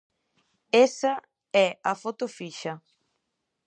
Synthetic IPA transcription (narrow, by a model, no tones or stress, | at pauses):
esɐ | ɛɐfot̪ofiʃɐ